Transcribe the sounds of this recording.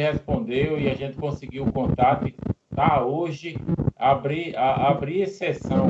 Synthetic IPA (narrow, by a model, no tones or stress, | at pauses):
hespõnd̪ewɪaʒẽnt̪ɪ̥kõsɪɡiwkõt̪at̪ɪlaoʒɪabɾiaabɾiesesɐ̃w̃